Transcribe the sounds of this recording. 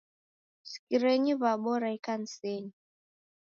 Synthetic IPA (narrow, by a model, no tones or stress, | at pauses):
si̥kiɾɛɲiβaɓɔɾaikan̩sɛɲi